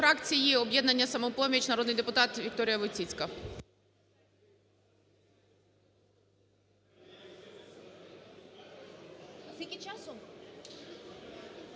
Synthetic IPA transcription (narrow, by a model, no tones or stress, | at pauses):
ɾɑkt͡sʲijiɔbjɛd̪nɐnʲːɐsɐmɔpɔmʲit͡ʃnɐɾɔd̪nɪjd̪epʊt̪ɑt̪ʋʲik̚t̪ɔɾʲɪjɐʋʊt͡sʲit͡sʲkɐ | kʲikʲɪt͡ʃasɔ